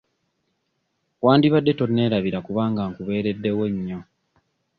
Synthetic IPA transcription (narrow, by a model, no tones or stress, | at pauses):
waːndiβadːe̞to̞nːe̞ːɾaβiɾakuβaːŋɡaːŋkuβe̞ːɾe̞dːe̞weɲːo